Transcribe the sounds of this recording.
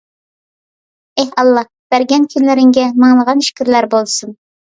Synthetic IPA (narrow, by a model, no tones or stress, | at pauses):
ɛhɑlˠːɑhb̥æɾɡʲɛnkʲʰynlɪɾɪŋɡʲɛmɑŋlˠəʁɑnʃi̥kʲʰiɾlæɾbolˠsun